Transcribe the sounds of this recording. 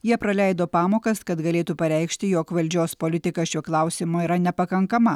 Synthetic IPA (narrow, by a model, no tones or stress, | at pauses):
jiɛpɾɐlʲɛɪd̪oːpɑːmoːkɐskɐt̪ɡɐlʲeːt̪uːpɐɾʲɛɪkʃʲt̪ʲɪjoːkʋɐlʲd͡ʒʲoːspolʲɪt̪ʲɪkɐʃʲuɔklˠɑˑʊsʲɪmoiːɾɐnʲɛpɐkɐŋkɐmɐ